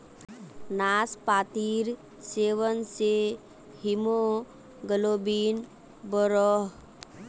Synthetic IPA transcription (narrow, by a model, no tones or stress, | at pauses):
naːspaːt̪iɾ | seːʋənse | ɦimo | ɡəlobiːn | bɔɾɔɦ